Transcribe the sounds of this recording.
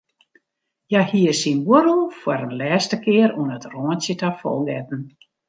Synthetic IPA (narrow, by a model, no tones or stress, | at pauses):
jahiəsinwuɾəlˠfwəɾənlɛːstəkɪəɾuənətroənsjətafɔ̰lˠɡɛtn̩